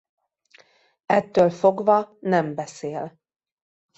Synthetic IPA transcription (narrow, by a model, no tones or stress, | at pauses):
ɛt̪ːøːlfo̞ɡvɒnɛmbɛseːl